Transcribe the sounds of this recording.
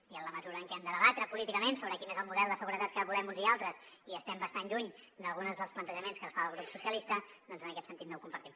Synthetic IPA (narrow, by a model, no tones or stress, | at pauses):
iənləməzuɾəːŋkɛɛmd̪əðəβat̪ɾəpulit̪ikəmensoβɾəkinezəlˠmuðɛlˠd̪əsəɣuɾət̪at̪̚kəβulɛmunzialˠt̪ɾəs | iəst̪ɛmbəst̪anʎuɲd̪əlˠɣunəzðəlˠsplənt̪əʒəmenskənsfaəlˠɣ̞ɾupsusiəlist̪əd̪ɔnzənəkɛt̪sənt̪it̪nɛwkumpəɾt̪im